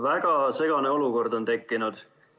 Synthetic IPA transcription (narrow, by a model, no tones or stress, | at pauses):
væɡ̥ɑse̞ɡ̥ɑne̞o̞luko̞rd̪o̞nt̪e̞kːinud̪̥